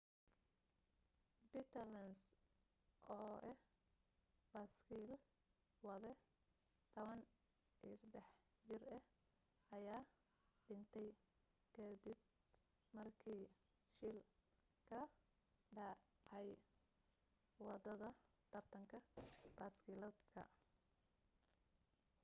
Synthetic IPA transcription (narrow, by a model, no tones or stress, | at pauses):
bit̪ʰɐlɐns | ʔɔːʔɛ | b̥askʰil | wɑðɛ | t̪ʰɔβɐn | iːsɐd̪ɛħ | d͡ʒɪrɐ | ʔɐjaː | ɖɪnt̪ʰɛj | kʰɐd̪ɪb̚ | mɐrkʰiː | ʃɪl | kʰɐ | ɖɐɛj | wɑd̪ɐðɐ | t̪ʰɐrt̪ʰɐŋkʰɐbaːskilɐd̪kʰɐ̰